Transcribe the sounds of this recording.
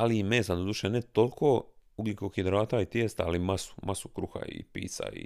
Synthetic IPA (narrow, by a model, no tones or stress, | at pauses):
aliimeːsad̪od̪uʃenet̪olkʰouɡlikoxid̪ɾaːt̪ait̪jest̪aːlimasu̥mʔasukɾuxa̰ḭpḭːt̪sa̰ḭ